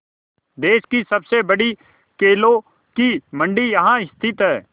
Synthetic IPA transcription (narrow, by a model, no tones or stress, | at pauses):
d̪eːʃkisɐbsebɐɽi | keːlõ | kimə̃ɳɖijɐɦãɪst̪ʰɪt̪ɦɛː